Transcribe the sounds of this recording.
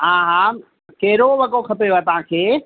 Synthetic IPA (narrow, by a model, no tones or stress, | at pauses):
ɦãːɦãː | kɐɦɪɾoʋɐɡokʰɐpejoaːɦet̪ɐʋ̤ãkʰeː